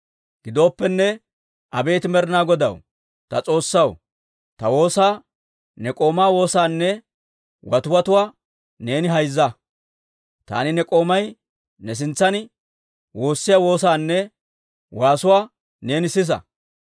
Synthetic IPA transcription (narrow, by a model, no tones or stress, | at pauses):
ɡ̥ɪd̪o̞ːpːɛnːɛ | ʔɐbe̞ːt̪ɪmɛɾɪnaːɡɔd̪ɐ̰w | t̪ɐt͡sʼo̞ːsːɐw | t̪ɐwo̞ːsaː | nɛkʼo̞ːmaːwo̞ːsaːnːɛ | wɐt̪ʊwɐt̪ʊwaː | ne̞ːnɪɦɐjzːɐ | t̪a̰ːnɪnɛkʼo̞ːmɐj | nɛs̬ɪnt͡sːɐn | wo̞ːsːɪjawo̞ːsaːnːɛ | waːsʊwaː | ne̞ːnɪsɪs̬ɐ̰